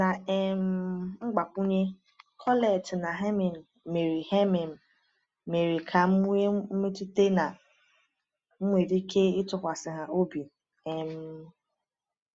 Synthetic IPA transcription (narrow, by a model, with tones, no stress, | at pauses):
na˨e˨m̩˦ŋ͡m̩˦ɡ͡ba˨kʷu˦ɲe˦ | kʰɔ˦le˨tna˨ɦe˦mi˨n̩˨ | me˨ɾi˨he˦me˨m̩˨ | me˨ɾi˨kʰa˨m̩˦ŋʷe˦m̩˦me˦tu˦te˦na˨ | ŋ͡m̩˦ŋʷe˨di˦ke˦ɪ˦tʊ˨kʷa˨sɪ˨ɦa˨o˦bi˨ | e˨m̩˦